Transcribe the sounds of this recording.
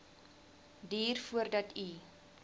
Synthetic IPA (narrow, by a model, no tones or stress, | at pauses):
diːrfuərdɐtʰi